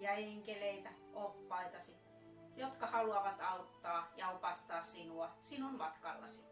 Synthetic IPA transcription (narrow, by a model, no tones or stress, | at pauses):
ɑeŋkeleit̪æ | opːɑit̪ɑsi | jot̪kɑhɑluɑʋɑt̪ɑut̪ːɑːjɑopɑst̪ɑːssinuɑsinummɑt̪kɑ̰lːɑ̰si̥